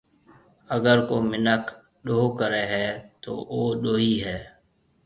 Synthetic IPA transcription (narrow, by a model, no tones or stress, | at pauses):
əɡəɾkoːmɪnək | ɗoːkəɾeːɦɛːt̪o̰ːʔoːɗoːɦiɦɛː